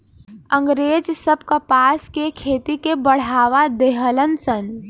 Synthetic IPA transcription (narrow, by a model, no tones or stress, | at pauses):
ə̃ŋɡɾeːd͡ʒsəbkapaːskekʰeːt̪ikebəɽ̤aːʋad̪eːɦələnsən